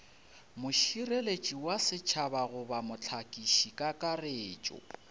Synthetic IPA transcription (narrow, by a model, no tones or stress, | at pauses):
mʊʃirelet͡ʃʼiwasɪt͡ʃʰabaɣʊbamʊt͡ɬʰakʼiʃikʼakʼareːt͡ʃʼɔ̰